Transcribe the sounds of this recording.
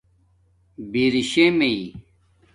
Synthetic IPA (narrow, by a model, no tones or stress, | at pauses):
biːɾiɕẽmei